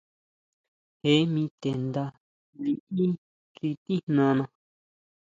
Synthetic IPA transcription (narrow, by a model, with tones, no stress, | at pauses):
he˨˦mĩ˧t̪e˨nd̪a˧ | lĩ˧˨ʔi˦ | t͡ʃi˧t̪i˦n̥nã˧nã˧